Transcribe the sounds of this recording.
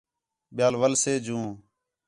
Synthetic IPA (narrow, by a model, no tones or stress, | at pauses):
ɓjaːlʋəlseːd͡ʒũː